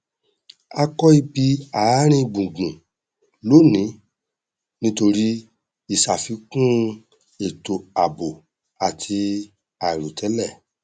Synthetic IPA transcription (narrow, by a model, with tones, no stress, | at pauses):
a˧kɔ˦i˧bi˧a˨˦ɾ̃ĩ˦˨ɡ͡bũ˨ɡ͡bũ˨ | lo˨˦nĩ˨˦ | nĩ˦to˧ɾi˦ | i˨sa˨fi˧kũ˦ | e˨to˨a˨bo˨ | a˨tʰi˧ | a˨i˨ɾu˨tʰɛ˨˦lɛ˦˨